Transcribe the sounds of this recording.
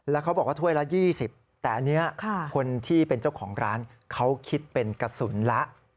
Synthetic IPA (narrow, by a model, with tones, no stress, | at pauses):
lɛ˦˥wkʰa˦˥wbɔː˨˩k̚waː˥˩u˥˩əjla˦˥jiː˥˩si˨˩p̚ | t̪ɛː˨˩ʔa˧nːi˦˥ɐkʰa˥˩kʰo˧nt̪ʰiː˥˩pe˧nt͡ɕa˥˩wkʰɔː˩˦ŋɾaː˦˥n | kʰa˦˥wkʰi˦˥t̪̚pe˧nka˧su˩˦nla˦˥ʔ